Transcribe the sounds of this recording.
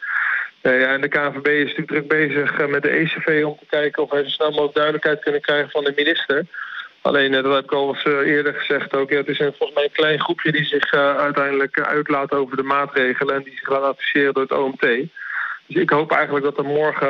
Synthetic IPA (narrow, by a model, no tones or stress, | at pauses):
nejaɛndəkaːvebejɪsntyːk̚ɡ̚drɵɡ̚bejzəχmɛt̚dəejsevejɔmtəkɛjkənɔfɛɹzəsnɛlˠmaoɡ̚dœɥdələkɦɛjt̚kɵnəkrɛjχəvɑndəminɪstəɹɑ̰lejndɑtɦɛbɪkɑlˠsɪːɹdəɹχəzɛχtowkeətɪsənvɔlˠχəzmɛjənklɛjnχrupjədizɪχœɥtɛjndələkœ̰ɥtlaːtowvəɹdəmaːtrejχələnɛndizɪχdaːnɑtfi̥sɪːrəndʊːɹəto̰wɛmtejd̥ɵsɪkɦowpɛjχəntləɡ̚dɑtəmɔɹχə